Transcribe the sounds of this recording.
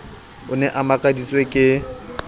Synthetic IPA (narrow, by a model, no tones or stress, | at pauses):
ʊnɛʔamakʼadit͡sʼwekʼɪ